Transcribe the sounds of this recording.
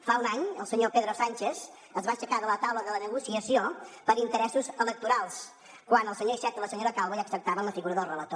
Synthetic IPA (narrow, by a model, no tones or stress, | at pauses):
faunaɲəlˠsəɲopeðɾosanʲt͡ʃez | əzβaʃəkaðələt̪awləðələnəɣusiəsiopəɾint̪əɾɛsuzələk̚t̪uɾalˠs | kwanəlˠsəɲoiʃɛt̪ələsəɲoɾəkalˠβəjəksək̚t̪aβənləfiɣuɾəðəlˠrələt̪o